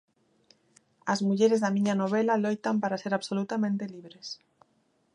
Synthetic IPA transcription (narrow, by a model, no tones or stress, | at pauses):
azmuʎeɾezðamĩɲanoβelalojt̪ampaɾaseɾaβsolut̪amẽnt̪eliβɾes